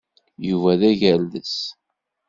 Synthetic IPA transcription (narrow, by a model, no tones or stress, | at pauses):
juvæðæʝælːəs